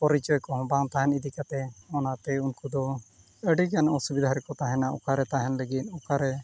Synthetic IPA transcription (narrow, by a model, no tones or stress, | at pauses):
pɔɾit͡ʃɔjkɔɦɔ̃baŋt̪aɦɛnid̪ikat̪ɛɔnat̪ɛunkud̪ɔ | əɖikanɔsubid̪ʱaɾɛkɔt̪aɦɛnaʔɔ̰kaɾɛt̪aɦɛnləɡit̪̚ˀɔkaɾɛ